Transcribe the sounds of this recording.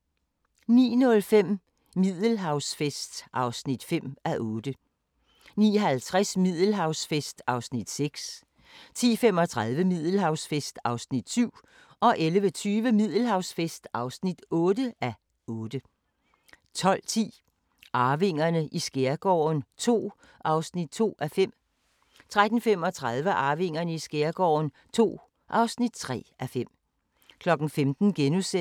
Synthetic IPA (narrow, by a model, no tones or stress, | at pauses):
nḭːnɔ̽lfem̰ | mið̰ˠl̩ɦɑ̈ʊsfesd̥sʔɑ̈ʊsnid̥fem̰æʔɔ̽ːd̥ə | nḭːɦælt͡sʰʁasmið̰ˠl̩ɦɑ̈ʊsfesd̥ɑ̈ʊsnid̥seɡ̥s | t͡sʰḭːfemɒ̽t͡sʰʁaðˠʋəmið̰ˠl̩ɦɑ̈ʊsfesd̥ɑ̈ʊsnid̥syʊ̰ | ʔɒ̽ʔelʋət͡sʰyːʋəmið̞̰ˠl̩ɦɑ̈ʊsfesd̥ɑ̈ʊsnid̥ɔ̽ːd̥əʔæ | ɔ̽ːd̥ə | t͡sʰɒ̽l̰t͡sʰḭː | ʔɑ̈ːʋe̝ŋ̰ɐnəʔisɡ̥eɐɡ̥ɒ̰ːnt͡sʰo̝̰ː | ʔɑ̈ʊsnid̥̚t͡sʰo̝̰ːæfem̰ | t͡sʰʁad̥n̩fem̰ɒ̽t͡sʰʁað̞ˠʋəʔɑ̈ːʋe̝ŋ̰ɐnəisɡ̥eɐɡ̥ɒ̰ːn | t͡sʰo̝̰ː | ʔɑ̈ʊsnid̥̚t͡sʰʁɛ̰ːʔæfem̰ | kʰlɒ̽ɡ̥n̩femd̥n̩ɡ̥enuse